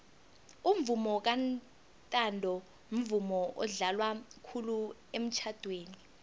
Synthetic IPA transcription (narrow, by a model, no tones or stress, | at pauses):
um̩vumɔk̬an | tʼandʱɔ | m̩vumɔʔɔ̰ɮalwakʰuluem̩t͡ʃʰad̥ʱweːni